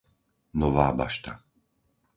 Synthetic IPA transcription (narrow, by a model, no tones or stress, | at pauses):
nɔʋaːba̰ʃt̪a̰